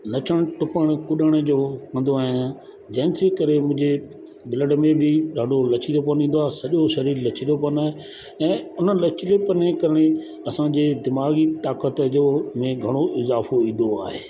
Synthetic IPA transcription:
nɐt͡ɕəɽ̃ʈʊpəɽ̃kʊɗəɽ̃əd͡ʑoːkɐ̃nd̪oaːɦɪnã | d͡ʑɐ̃ːɪnsekɐɾemʊ̃ɦɪ̃ɲd͡ʑe | bɪləɖmẽbʱɪɗʱãːɳɖolɐt͡ɕiɾop̬ɐnĩːn̆d̪oaːɦesɐʄoʃɐɾiːɾlɐt͡ɕilopɐnaːɦe | ɛ̃ːʊnəlɐt͡ɕɪlepɐnekɐɾɽ̃e | ɐsãd͡ʑeːd̪ɪmaːɣit̪aːkət̪əd͡ʑoːmẽɡʱɐɽ̃oɪzaːfoĩːnd̪oaːɦeː

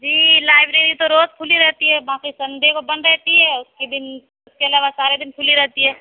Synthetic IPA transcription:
d͡ʒiːlaːɪbɾeːɾit̪oɾoːzkʰʊliɾɛɦt̪iɦɛːbãːkisɐ̃nd̪ʱekobɐ̃nd̪ɾɛɦt̪iɦɛːʊsked̪ɪn | ʊskeɐlaːʋasaːɾed̪ɪnkʰʊliɾɛɦt̪iɦɛː

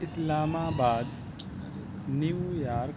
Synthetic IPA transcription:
ɪslaːmaːbaːd̪ | niujaːɾ

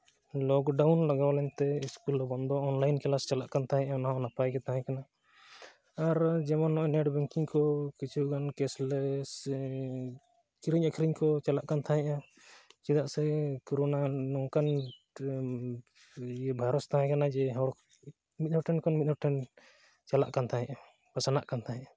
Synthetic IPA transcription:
lɔɡɖawnlaɡawlɛnt̪ɛiskulɔbɔnd̪ɔːnlajnkɛlast͡ʃalaʔkant̪ʰaɦɛ̃ʔãnaɦɔnapajɡɛt̪aɦɛ̃kana | ɾd͡ʒɛmanːɔʔɔnɛɖbɛŋkiŋkɔkit͡ʃʰuɡankɛslɛ | kiɾiɲakʰiɾiɲkɔt͡ʃalaʔkant̪ʰaɦɛ̃ʔa | t͡ʃid̪aʔsɛkɔɾɔnanɔkan | bʱajɾɔst̪aɦãkanad͡ʒɛɦɔɾ | mit̪̚ˀhɔʈʰɛnkɔnmit̪̚ɔʈʰɛn | t͡ʃala̰ʔkant̪ʰaɦɛ̃ʔa | pasana̰ʔkant̪ʰaɦɛ̃ʔa

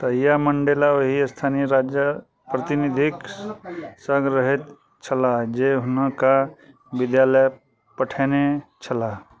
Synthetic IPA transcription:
t̪əjaməɳɖelaʋoɦiəst̪ʰaniɾad͡ʒjə | pɾət̪inid̪ʱik | səŋɡɾəɦet̪ | t͡ʃʰəlad͡ʒeɦʊnəka | bɪd̪jaləj | pəʈʰenet͡ʃʰəla

